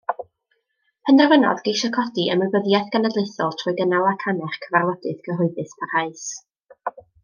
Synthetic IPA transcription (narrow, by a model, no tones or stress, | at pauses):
pʰəndɛrvənɔ̰ðɡejʃɔkʰɔdiʔəməbəðjaθɡ̥anadlˠɪjθɔlˠtʰrʊɨɡənalˠakʰanɛχkʰəvarwˠədɨθɡəɦɔɨðɨspʰarhaɨs